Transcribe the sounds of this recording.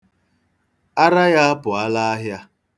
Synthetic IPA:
a˦ɾa˦ja˦pʊ˨a˦la˦a˦ɦja˦

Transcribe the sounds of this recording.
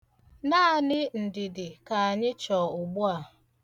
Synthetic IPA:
naː˦˨nɪ˦n̩˨dɪ˨dɪ˨ka˨a˨ɲɪ˦t͡ʃɔː˨ʊ˨ɡ͡bu˦a˨

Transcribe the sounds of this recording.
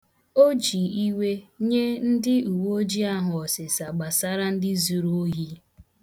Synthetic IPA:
o˦d͡ʒi˨i˦we˦ɲe˦n̩˦dɪ˦u˨wo˦d͡ʒi˦a˦ɦʊ˨ɔ˨sɪ˨sa˨ɡ͡ba˨sa˦ɾa˦n̩˦dɪ˦zu˨ɾu˦o˦ɦi˦

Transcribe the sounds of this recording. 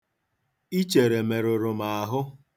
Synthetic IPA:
i˦t͡ʃe˨ɾe˨me˨ɾʊ˨ɾʊ˨ma˨a˨ɦʊ˦

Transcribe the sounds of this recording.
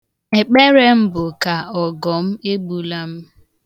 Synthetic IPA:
e˨k͡pe˦ɾe˦m̩˦bʊ˨ka˨ɔ˨ɡɔ˨m̩˦e˦ɡ͡bu˨la˦m̩˦

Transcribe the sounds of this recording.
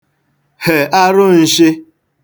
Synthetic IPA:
he˨a˦ɾʊ˦n̩˨ʃɪ˦

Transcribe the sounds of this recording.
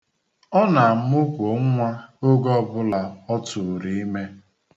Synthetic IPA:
ɔ˦na˨m̩˦ʊ˦kʷo˨ŋ̩˦ŋʷa˦o˦ɡɔ˦bʊ˦la˨ɔ˦tʊ˨ɾi˨i˦me˦

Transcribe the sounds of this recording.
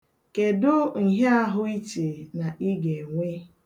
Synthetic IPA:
ke˨dʊ˦ŋ̩˨ɦe˦a˦ɦʊ˦i˦t͡ʃe˨na˨ʔi˦ɡe˨ŋʷe˦

